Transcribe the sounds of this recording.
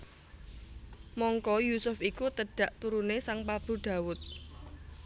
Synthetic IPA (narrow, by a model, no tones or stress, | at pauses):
mɔŋkɔjusʊfikut̪əɖ̥a̤ʔt̪uɾunesaŋpab̥ṳɖ̪̥ä̤wʊt̪̚